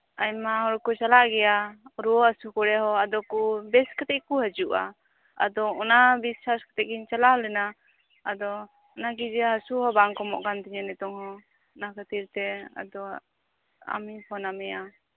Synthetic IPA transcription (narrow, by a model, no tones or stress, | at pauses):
ajmaɦɔɽkɔt͡ʃalaʔɡɛjaɾuɔasukɔɽɛɦɔad̪ɔkubɛskat̪ɛʔkuɦəd͡ʒuʔa̰ | ad̪ɔɔnabisaskḁt̪ɛʔ̚ɡiɲt͡ʃalaɦɔlɛna | ad̪ɔ | ɔnaɡid͡ʒɛɦasuɦɔbaŋkɔmɔʔkant̪iɲɛnɛt̪ɔŋhɔ | nakʰət̪iɾt̪ɛa̰d̪ɔ | a̰mipʰɔnamɛja